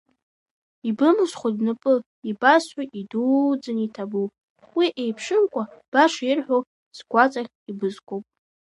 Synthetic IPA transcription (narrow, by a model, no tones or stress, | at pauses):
ibɨmɨsχʷadnɨpʼɨ | ibasħʷaʔidud͡zɨnitʰabu | wiʔejpʰʂɨmkʷʼab̥aʂaɪrħʷᶣo | sɡʷat͡sʼaχʲibɨzkʷʼowpʼ